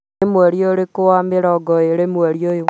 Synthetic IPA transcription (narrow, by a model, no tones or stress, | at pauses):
emweɾjoɾekowameɾɔɡɔeɾemweɾjojo